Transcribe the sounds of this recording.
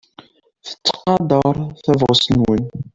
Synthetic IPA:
θə̥t͡sːqɑd̪ˤəɾˤθævʁəsənwən

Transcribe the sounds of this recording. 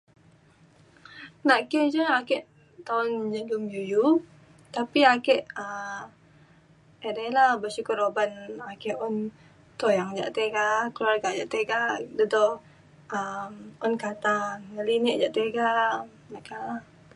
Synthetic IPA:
naʔkɛd͡ʒəakɛʔ | t̪aʊnd͡ʒəɡəmjuju | t̪apiakɛʔə | ɛdajlahbəsukəɾobanakɛʔʊn | t̪ojaŋd͡ʒa̰ʔt̪eɡakluarɡaʔd͡ʒaʔt̪eɡaʔdədɔ | əmɔnkat̪anŋəlinɪʔd͡ʒaʔt̪eɡa | naʔkala

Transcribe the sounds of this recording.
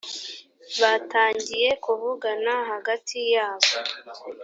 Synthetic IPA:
βataːɲɟije̞kuβuɡanaɦaɡatʰijaːβo

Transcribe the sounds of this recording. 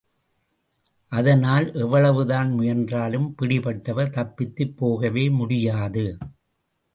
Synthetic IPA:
ʔɐðɐnaːlʔɛʋːɐɭɐʋɯðaːnmʊjɐndraːlɯmpɪɽɪpɐʈːɐʋɐɾt̪ɐpːɪt̪ːɯpːoːɣɐʋeːmʊɽɪjaːðɯ

